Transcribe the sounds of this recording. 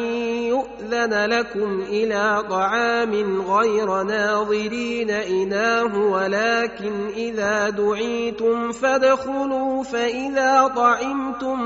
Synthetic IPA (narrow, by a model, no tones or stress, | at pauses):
jʊʔðanlakʊmʔɪlaːt̪ˤɑʕɑːmɪnɣajɾanaːðˤɨɾiːnaʔɪnaːɦʊwalaːkɪnʔɪðaːd̪ʊʕiːt̪ʊmfad̪xʊluːfaʔɪðaːt̪ˤɑʕɪmt̪ʊm